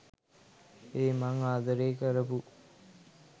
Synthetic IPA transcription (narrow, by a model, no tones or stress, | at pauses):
eːmaŋaːd̪əɾeːkəɾəpu